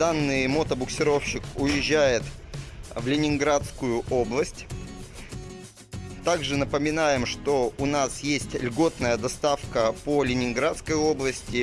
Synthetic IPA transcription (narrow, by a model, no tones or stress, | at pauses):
d̪anːɨjmot̪əbʊksʲɪɾo̞fɕːɪkʊjɪʑːæjɪt̪ | vlʲɪnʲɪnɡɾat̪skʊjʊo̞blˠəsʲtʲ | t̪aɡʐɨnəpəmʲɪnajɪmʂt̪o̞ʊnasjesʲtʲlʲɡo̞t̪nəjəd̪ɐst̪afkəpolʲɪnʲɪnɡɾat̪skəjo̞blˠəsʲtʲɪ